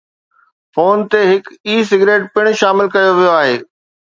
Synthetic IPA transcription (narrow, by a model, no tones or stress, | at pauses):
foːnt̪eɦɪkiːs̬ɪɡɾeːʈpɪɽ̃ʃaːmɪlkɐjoʋijoaːɦeː